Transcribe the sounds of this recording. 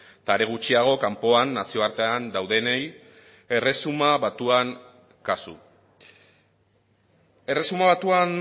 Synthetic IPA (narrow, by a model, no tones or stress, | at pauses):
t̪aɾe̞ɣ̞ut͡ʃiaɣ̞o̞kampo̞anːasio̞aɾt̪e̞and̪awðe̞nej | e̞re̞sumaβat̪uaŋ | kasṵ | e̞re̞sumaβat̪uan